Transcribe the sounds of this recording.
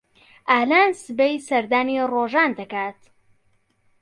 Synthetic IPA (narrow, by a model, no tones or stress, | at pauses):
ʔaːlaːnsɨbejsɐɾd̪aːniroːʒaːnd̪ɐkaːt̪